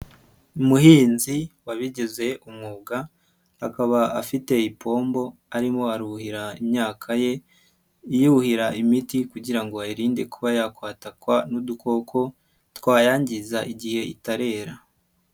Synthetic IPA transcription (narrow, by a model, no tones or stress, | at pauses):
umuhiːnziwaβiɟeze̞ʔumŋuːɡa | hakaβaafite̞ipʰo̞ːmbo̞aɾimo̞aɾuhiɾaimɲaːkʰaje̞ | ijuuhiɾaimitikuɟiɾaŋɡo̞aiɾiːnde̞kuβajakwaːtakwanuduko̞kʰo̞ | tkwaːjaːɲɟizaʔiɟihe̞ḭtaɾe̞ːɾa